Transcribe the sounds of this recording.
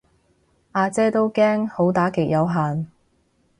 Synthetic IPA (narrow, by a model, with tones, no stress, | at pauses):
ʔaː˧t͡sɛː˥t̪o˥wkɛː˥ŋho˨˥wt̪aː˨˥kɪ˨˩k̚jɐ˨˧wɦaː˨n